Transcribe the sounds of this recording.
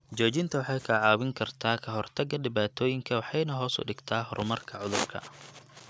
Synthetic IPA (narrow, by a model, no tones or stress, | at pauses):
d͡ʒɔːt͡ʃɪnt̪ʰɐwɑħɑjkʰɐʕɑːwɪŋkʰɐrt̪ʰaːkʰɐɦɔrt̪ʰɐɡɐɖɪβaːt̪ʰɔːjɪŋkʰɐwɑħɑjnɐɦɔːsʊ̰ɖɪɡt̪ʰaːɦɔɾʊmɐrkʰɐʕʊðʊrkʰɐ̰